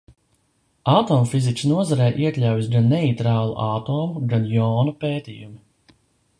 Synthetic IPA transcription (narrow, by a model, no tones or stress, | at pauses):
aːt̪ɔːmfizit͡ʃsnuɔzaɾɛːʔiɛklʲawjis̬ɡanːɛit̪ɾaːlˠṵʔaːt̪ɔːmuɡanjɔːnupeːt̪iːjumi